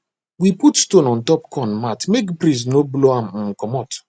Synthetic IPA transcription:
wiputstonɔ̃ntɔpkʰɔ̃nmatmekpɾĩs̬nobloam̩m̩kɔmɔt

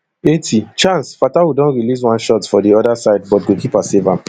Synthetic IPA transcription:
etʰit͡ʃãnsfatawidɔ̃nɹilis̬wãnʃɔtfɔdiɔdasaɪdbɔt̚ɡokipasevãn

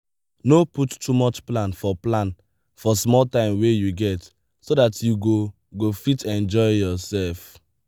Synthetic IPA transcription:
noputtumɔt͡ʃplãnfɔplãn | fɔsmɔltãɪ̃mwejuɡɛt | sodatʰjuɡo | ɡofitɛ̃nd͡ʒɔɪjɔsɛlf

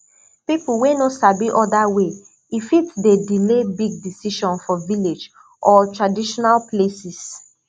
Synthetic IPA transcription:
pipuwenosabiʔɔdawe | ifitdedilebiɡ̚disiʃɔ̃nfɔviled͡ʒ | ʔɔtɹadiʃɔnalplesis

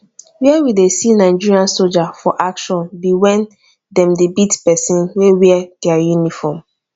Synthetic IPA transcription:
wiɛwidesinaɪd͡ʒiɹiãnsold͡ʒafɔʔakʃɔ̃nbiwɛ̃n | dɛ̃mdebitpɛsĩnwewiɛɡ̥ɛjunifɔm

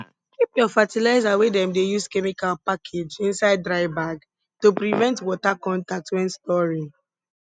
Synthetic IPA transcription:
kipjɔfatilaɪzawedɛ̃mdejuskɛmikalpakʰed͡ʒĩnsaɪd̚dɹaɪbaɡ | topɾivɛ̃ntwɔtakɔ̃ntak̚twɛ̃nstɔɹi

